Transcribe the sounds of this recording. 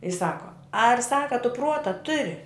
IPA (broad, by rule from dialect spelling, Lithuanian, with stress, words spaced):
ɪ ˈsɑːkoː ɐr ˈsɑːkɐ tʊ ˈpruɔtɐ ˈtʊrʲɪ